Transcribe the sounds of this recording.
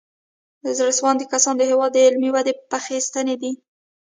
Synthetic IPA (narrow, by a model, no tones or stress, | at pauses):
zɾaswɑnd̪əkasɑnd̪əɦewɑd̪ːəɪlmiwad̪epaxist̪əned̪i